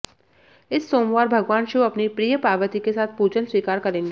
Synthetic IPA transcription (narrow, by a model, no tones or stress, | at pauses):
ɪsːoːmʋaːɾbʱɐɡʋaːnʃiɐpnipɾijəpaːʋət̪ikesaːt̪̚ʰpuːd͡ʒənswiːkaːɾkɐɾẽːŋɡeː